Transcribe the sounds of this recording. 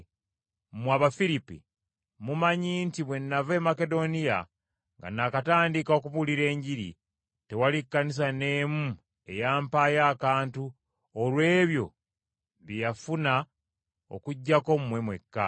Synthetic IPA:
mwaβafiɾipḭ | mumaɲiːntiβwe̞nːave̞make̞do̞nija | ŋɡa̰nakataːndikao̞kuβuliɾe̞ːɲɟiɾḭ | te̞walikːanis̬ane̞ːmu | e̞jaːmpaːjaːkaːntu | olwe̞ːβjo̞ | βijafuna | o̞̰kuɟːako̞mumwe̞mwe̞kːa̰

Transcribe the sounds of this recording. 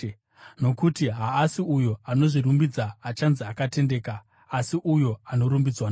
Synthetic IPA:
no̞kutiɦaːsiujo̞ano̞ʐirumbid͡zaːt͡ʃanziakate̞nde̞ːkaː | siʔujo̞ano̞ɾumbid͡zwana

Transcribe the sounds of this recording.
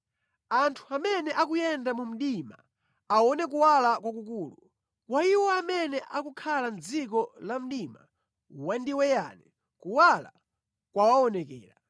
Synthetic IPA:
antʰuamɛnɛʔakujɛndamum̩ɗima̰ | aɔnɛk̬uwalakwakukuːlu | waiwɔamɛnɛʔakukʰalan̩d͡zikɔlam̩ɗima̰ | wandiwɛja̰nɛ | kuwala̰ | kwawaɔnɛkɛ̰ːɾa

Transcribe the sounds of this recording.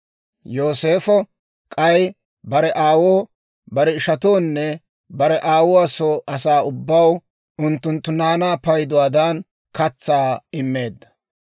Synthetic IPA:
joːse̞ːfɔ | kʼɐj | bɐɾɛʔaːwoː | bɐɾɛɪʃɐt̪oːnːɛ | bɐɾɛʔaːwɔasoːʔɐsaːʊbːɐw | ʔʊnt̪ːʊnt̪ːʊnaːnaːpɐjd̪ʊwaːd̪aːn | kɐt͡sːaːɪmːe̞ːd̪ːɐ

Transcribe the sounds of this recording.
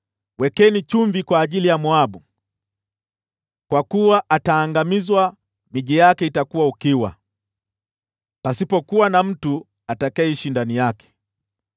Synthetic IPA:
wɛkɛnit͡ʃuɱvikwaːʄilijamwaɓu | kwakuwaʔataːŋɡamizwa | miʄijakɛitakuwaukiwa̰ | pasipɔkuwanam̩tu | atakaɛiʃindanijakɛ̥

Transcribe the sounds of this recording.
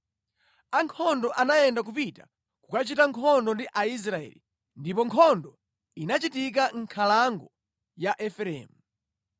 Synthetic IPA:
aŋkʰɔndɔʔanajɛndak̬upita | kukat͡ʃitaŋkʰɔndɔndiʔais̬ɾaɛ̰li | ndipɔŋkʰɔndɔ | inat͡ʃitik̬aŋ̩kʰalaŋɡɔ | jaʔɛfɛɾɛ̰ːmu

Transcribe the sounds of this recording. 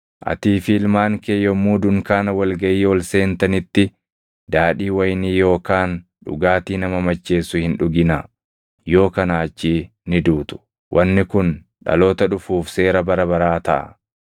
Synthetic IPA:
ʔɐ̰t̪iːfɪɪlmaːŋkeːjːɔmːuːd̪ʊŋkaːnɐwɐlɡɐʔiːɔlse̞ːnt̪ɐnɪt̪ːɪ | d̪aːᶑiːwɐjniːjo̞ːkaːn | ᶑʊ̰ɡaːt̪iːnɐmɐmɐt͡ʃːe̞ːsːʊhɪnᶑʊɡɪnɐ | jo̞ːkɐnaːt͡ʃːiː | nɪd̪uːt̪ʊ̥ | wʔɐnːɪkʊn | ᶑɐ̰lo̞ːt̪ɐᶑʊfuːfse̞ːɾɐbɐɾɐbɐɾaːt̪ɐʔɐ̰

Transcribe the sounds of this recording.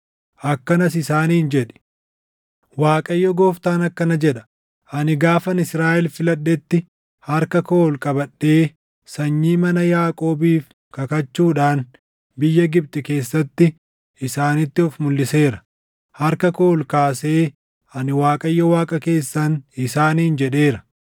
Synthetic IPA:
ʔɐkːɐnɐs̬ɪsaːniːnd͡ʒɛᶑɛ̥ | waːkʼɐjːɔɡoːft̪aːnɐkːɐnɐd͡ʒɛᶑɐ̥ | ʔɐnɪɡaːfɐnɪsɾaːʔɛlfɪlɐɗːɛt̪ːɪ | hɐɾkɐkoːlkʼɐbɐɗːe̞ː | sɐɲːiːmɐnɐjaːkʼo̞ːbiːf | kɐkɐt͡ʃːuːᶑaːn | bɪjːɐɡɪb̚t̪ʼɪke̞ːsːɐt̪ːɪ | ɪsaːnɪt̪ːɪɔfmʊlːɪse̞ːɾɐ̥ | hɐɾkɐkoːlkaːse̞ː | ɐnɪwaːkʼɐjːɔwaːkʼɐke̞ːsːɐnɪsaːniːnd͡ʒɛᶑe̞ːɾɐ̥

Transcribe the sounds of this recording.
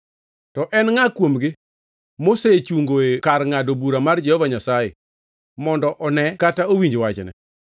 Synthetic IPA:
tɔʔɛnŋakwomɡɪ | moset͡ʃuŋɡoekarŋadobuɾamard͡ʒɛhɔvaɲasajḛ | mɔndɔʔɔnɛkataowiɲd͡ʒwat͡ʃnɛ̰

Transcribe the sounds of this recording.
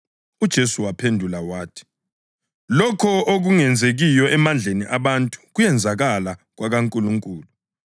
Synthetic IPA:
ud̥ʒ̥ʱesuwapʰendʱulawaːtʰi̥ | lɔkʰɔoɣ̬uŋɛnd͡zʱeɣijɔɛmand͡ɮʱeniʔaɓantʼu̥ɣ̬ujɛnd͡zʱaɣalaɣ̬waɣaŋkʼuluŋkʼuːlu

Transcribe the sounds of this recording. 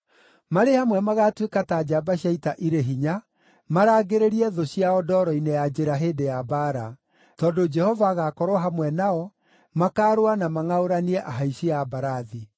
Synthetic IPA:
maɾehamwɛmaɣatwekatad͡ʒabaɕjaitaʔiɾeɦiɲa | maɾaːɡeɾeɾiɛðoɕiaɔdɔːɾɔinejad͡ʒeɾaɦeːdejabaɾa | tɔdod͡ʒɛhɔvaːɣakɔɾwɔɦamwɛnaɔ | makaːɾoanamaŋaoɾaniɛʔaɦaiɕiabaɾaði

